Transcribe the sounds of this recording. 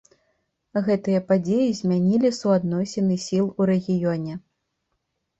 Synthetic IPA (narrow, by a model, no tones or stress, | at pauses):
ɣɛt̪ɨjɐpad͡zʲejizʲmʲanʲilʲisuad̪nɔsʲɛnɨsʲilˠuɾɛɣʲijɔnʲɛ